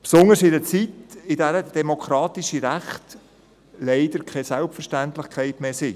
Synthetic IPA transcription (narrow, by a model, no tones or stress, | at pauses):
psʊnəɾsɪdət͡sitɪdæɾəd̥ɛmokʰɾɑːtiʃiɾæχt | lɛɪdəɾkʰɛsælpfəɾʃtæntlɪχkʰɛɪtmeːsɪ